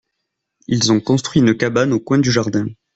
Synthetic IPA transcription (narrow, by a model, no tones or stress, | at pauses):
ilzɔ̃kɔ̃st̪χɥiynəkabanokwɛ̃d̪yʒaʁd̪ɛ̃